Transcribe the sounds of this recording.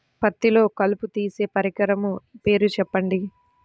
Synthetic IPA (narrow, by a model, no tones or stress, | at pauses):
pɐt̪ːilo̞ːkɐluput̪iːse̞ːpɐɾikɐɾɐmupe̞ːɾut͡ʃɛpːɐɳɖi